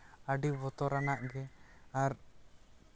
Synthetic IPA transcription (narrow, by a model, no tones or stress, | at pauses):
aɖibɔt̪ɔɾanaʔɡɛaɾ